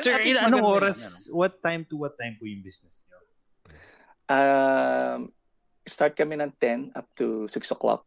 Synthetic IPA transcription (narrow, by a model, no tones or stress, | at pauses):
sɛɪlɐɐnɐŋʔoːɾɐswɐt̪ːajmt̪uwɐt̪ːajmpujʊŋbisnɛsɐjo | ʔa | m | st̪aɹt̪̚kɐmɪnɐ̃nt̪ɛ̃na̰p̚t̪usɪksɔklɔ̰k̚